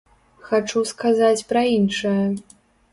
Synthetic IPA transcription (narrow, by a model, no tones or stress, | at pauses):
xat͡ʂuskazat͡sʲpɾɐinʂɐjɐ